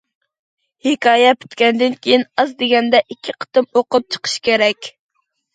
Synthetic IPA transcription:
hɪkʰɑːjɛpʰy̥t̪kʲɛnd̪ɪnkʲejinɑzd̪eɡʲɛnd̪ɛʔikʲʰːiqʰə̥t̪ɨmoqʊp̚t͡ʃʰə̥qʰə̥ʃkʲeɾɛkʲ

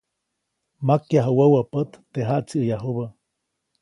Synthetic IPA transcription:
makjaɦawəwəpət̪ːeɦaʔt͡siːjaɦuβə

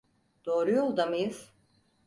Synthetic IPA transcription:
d̪̥oːɾujolˠd̪amɯjɯz̥

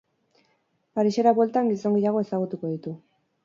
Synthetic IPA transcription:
paɾiʃe̞ɾaβwelt̪aŋɡiso̞ŋɡejaɣ̞o̞e̞saɣ̞ut̪uko̞ðit̪u

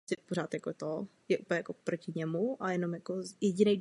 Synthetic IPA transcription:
ɪpoɾ̝aːt̪jakot̪o | jɛʔupəlɲɛjakopɾocɪɲɛmuajɛno̞mjakojɛɟɪnɛj

